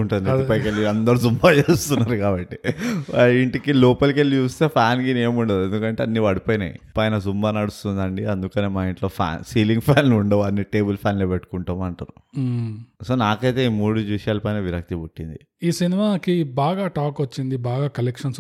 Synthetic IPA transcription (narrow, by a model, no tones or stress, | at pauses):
uɳʈunipɐjkelːiɐnd̪ɐɾuzumbaːt͡ʃeːst̪unːaːɾukaːbɐʈːiaiɳʈikiloːpɐlkelːit͡ʃuːst̪e̞ːpʰaːnkineːmuɳɖed̪ue̞nd̪ukɐɳʈe̞ːɐnːiʋɐɽipoːjnɐ̰j̰pɐjnɐd͡ʒumbaːnɐɽust̪und̪ɐɳɖiɐnd̪ukɐneːmaːiɳʈloːpʰa̰ːnsiːliŋɡpʰaːnuɳɖoɐnːiʈe̞ːbɐlpʰaːnleːpeʈːu̥kuɳʈaːmɐɳʈaːɾu | so̞ːnaːkɐjt̪e̞ːiːmuːɽud͡ʒʋiʂɐjaːlɐpɐjnɐʋiɾɐk̚t̪ibuʈːind̪i | iːsinimaːkibaːɡaːʈaːkʋɐt͡ʃːind̪ibaːɡaːkɐlekʂɐns